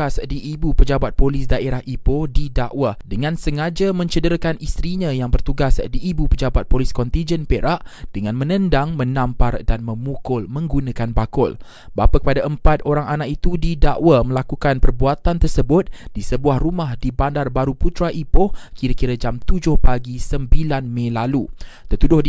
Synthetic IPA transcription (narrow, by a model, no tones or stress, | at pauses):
asdiʔːbupəd͡ʒabat̪̚polɪsdaʔeɾahʔipodidaʔwadəŋãnsəŋad͡ʒamə̃ɲt͡ʃədəɾakanist̪ɾiɲãjaŋbərt̪uɡasdiːbupəd͡ʒabat̪̚poliskɔnt̪ind͡ʒənpeɾʔaʔd̥əŋãnmə̃nə̃ndaŋmə̃nãmpardanmə̃mukʊlmə̃ŋɡunakanbakʊ̰l | bapakəpadaʔəmpat̪̚oɾaŋanakit̪udidaʔwamə̃lakukanpərbuat̪ant̪ərsəbʊt̪̚d̥isəbuahrumahdibandarbaɾuput̪ɾaʔipʊhkiɾakiɾad͡ʒamt̪ud͡ʒʊhpaɡisəmbilanmẽlalut̪ərt̪udʊh